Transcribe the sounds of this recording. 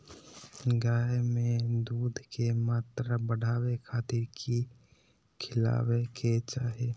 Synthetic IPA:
ɡaːjmẽd̪uːd̪ʱkemaːt̪ɾabəɽ̤ʱaːwekʰaːt̪ɪɾki | kʰɪla̰ːwekʰet͡ʃaːɦe

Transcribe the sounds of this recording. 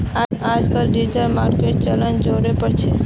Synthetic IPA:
aad͡ʒkəlɖid͡ʒəɾmaɾkeʈ̚t͡ʃələnd͡ʒoɾepəɾt͡ʃʰɛ

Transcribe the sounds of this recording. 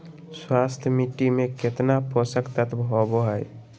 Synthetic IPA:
swast̪ʰjəmiʈimeket̪napəsəkt̪ət̪bʱɔboɦəj

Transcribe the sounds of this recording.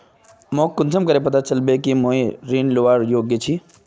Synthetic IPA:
mõːkːʊnsʰəmkəɾep̬ɐt̪at͡ʃəlbekimõːiɾiːnloʋaːɾjoːɡjət͡ʃʰi

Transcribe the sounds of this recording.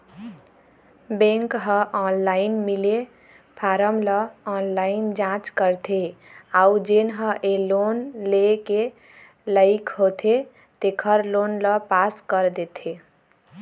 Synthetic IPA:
bẽŋkɦə̃ʔɔnlainmile | pʰaɾəmləɔnlaind͡ʒãt͡ʃkəɾt̪ʰeaud͡ʒenɦə̃ʔelonleke | ləɪkʰɦot̪ʰe | t̪ekʰəɾlonləpaskəɾd̪et̪ʰe

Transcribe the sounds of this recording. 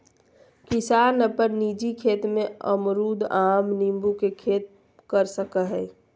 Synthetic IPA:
kɪsaːnəpəɾnid͡ʒikʰeːt̪mẽə̰mɾud̪aːmnimbukekʰeːt̪̚ | kəɾsəkəɦɛ

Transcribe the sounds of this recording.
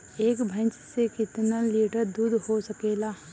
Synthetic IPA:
eːkbʱə̃nt͡ʃsekɪt̪naliːʈəɾd̪uːd̪ʱhosəkeːlaː

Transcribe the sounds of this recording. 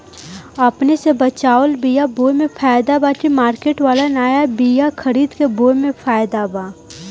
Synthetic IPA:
ɐpnesebɐt͡ʃaːəlbijaboːjmẽfʰaːjd̪abaːʈimaːɾkeːʈʋaːlanaːjabijakʰɐɾiːd̪keboːjmẽpʰaːjd̪abaː

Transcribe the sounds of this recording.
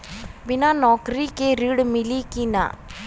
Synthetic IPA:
binaːnɔːkɾikeɾiɽmilikina̰ː

